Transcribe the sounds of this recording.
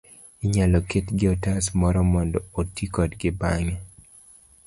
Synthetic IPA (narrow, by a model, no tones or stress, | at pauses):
iɲalɔketɡɪɔtasmɔɾɔmɔndɔotikɔdɡɪbaŋɛ